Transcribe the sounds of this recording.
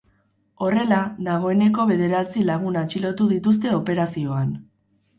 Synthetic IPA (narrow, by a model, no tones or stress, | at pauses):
o̞re̞laðaɣ̞o̞e̞ne̞ko̞βe̞ðe̞ɾat͡silaɣ̞unat͡ʃilo̞t̪uðit̪us̬t̪e̞o̞pe̞ɾasio̞an